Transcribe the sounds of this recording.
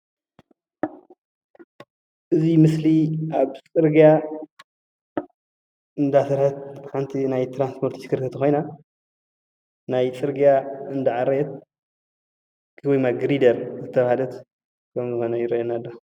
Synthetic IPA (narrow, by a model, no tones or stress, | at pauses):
ʔɨzimɨsliʔaβt͡sʼɨɾɡija | ɨnd̪asɐɾħɐt̪̚ħant̪ʰinajt̪ʰɾanspʰoɾt̪skʰɨɾkʰɨt̪ʰɐxo̞jna | najt͡sʼɨɾɡijaɨnd̪aʕaɾet̪̚ | kʰɨwɔjmaɡɾid̪ɐɾzɨt̪ʰːɐβahalɐt̪ | kʰɐmzɨxo̞nɐjɪɾɐjonalːo